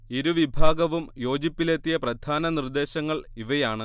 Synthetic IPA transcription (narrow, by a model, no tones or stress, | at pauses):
iɾuʋibʱaːɡɐʋumjo̞ːd͡ʑipːilet̪ːijɐprɐd̪ʱaːnɐnird̪e̞ːɕɐŋːɐɭiʋɐjaːɳɨ